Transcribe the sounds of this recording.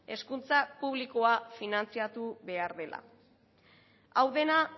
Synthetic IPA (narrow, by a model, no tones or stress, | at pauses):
e̞skunt͡sapuβliko̞afinant͡siat̪uβe̞aɾðe̞la̰ | awðe̞na